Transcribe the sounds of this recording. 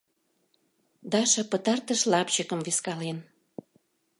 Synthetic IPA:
d̪ɑʃɤ̆pə̆t̪ɑrt̪ə̆ʃlɑpt͡ɕə̆kə̆mveskɑlen

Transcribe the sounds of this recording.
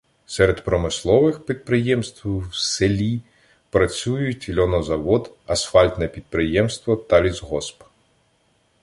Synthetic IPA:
sɛɾed̪pɾɔmɪslˠɔʋɪxpʲid̪̚pɾɪjɛmst̪ʋwselʲi | pɾɐt͡sʲujʊtʲlʲɔnɔzɐʋɔd̪ɐsfɑlʲt̪nɛpʲid̪̚pɾɪjɛmst̪ʋɔt̪ɐlʲizɦɔsp

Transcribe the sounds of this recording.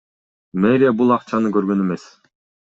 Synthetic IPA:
meɾʲijabulˠɑqt͡ʃɑnɯkøɾɡø̞ne̞mes

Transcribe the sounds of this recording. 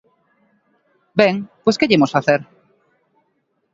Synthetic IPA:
bɛŋpeskeʎemosfaθeɾ

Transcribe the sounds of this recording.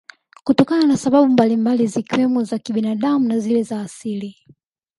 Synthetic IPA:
kutɔkananasaɓaɓumbalimbalizikwɛmɔzakiɓinaɗamunazilɛzaːsili

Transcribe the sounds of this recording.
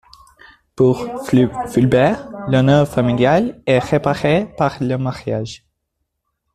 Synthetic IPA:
puʁfylbɛʁlɔnœʁfamiljalɛʁepaʁepaʁləmaʁja̰ʒ

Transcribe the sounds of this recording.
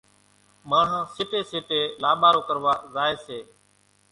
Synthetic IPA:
maːɳ̤õːsɪːʈeːsɪːʈeːlaːɓaːɾoːkəɾʋaːzaːeːseː

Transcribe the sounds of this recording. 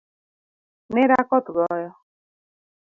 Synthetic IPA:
neɾakɔtʊdɔjɔ

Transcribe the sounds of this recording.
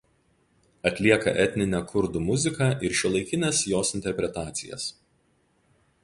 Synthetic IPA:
ɐt̪ʲlʲiɛkɐ̰ʔɛt̪ʲnʲɪnʲɛkʰʊɾd̪uːmʊzʲɪkɑːʔɪɾʃʲuɔlˠɐɪkʲɪnʲɛsjoːsɪnʲt̪ʲɛɾʲpʲɾʲɛt̪ɑːt̪sʲɪjɛ̰s

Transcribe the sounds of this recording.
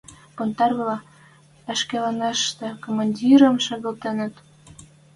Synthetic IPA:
pont̪ɑrβlɑ | æʃkelɑneʃt̪ĕkomɑnʲdʲiɾə̆mʃɑɣɤ̆lt̪enə̆t̪

